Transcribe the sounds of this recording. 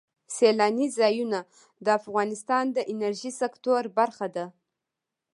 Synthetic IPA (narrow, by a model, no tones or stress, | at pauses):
selɑnizɑjuna | d̪əafɣɑnɪst̪ɑnd̪əʔɪnaɾʒisekt̪oɾbaɾxad̪a